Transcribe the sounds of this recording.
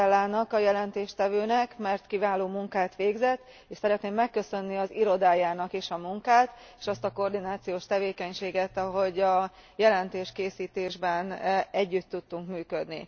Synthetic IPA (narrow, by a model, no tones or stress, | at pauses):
ɛlːaːnɒkɒjɛlɛnt̪eːʃt̪ɛvøːnɛkmɛrt̪kivaːloːmuŋkaːt̪ʋeːɡzɛt̪ː | eːʃsɛɾɛt̪neːmːɛkːø̞sø̞nːiɒziɾo̞d̪aːjaːnɒkeːʃɒmuŋkaːt̪ | e̥ːʃɒst̪ɒko̞ːrd̪inaːt̪sijoːʃt̪ɛveːkɛɲʃeːɡɛt̪ɒɦo̞ɟɒ | jɛlɛnt̪eːʃkeːsiːt̪eːʒbɛnɛɟːyt̪ːut̪ːuŋkmyːkød̪nḭ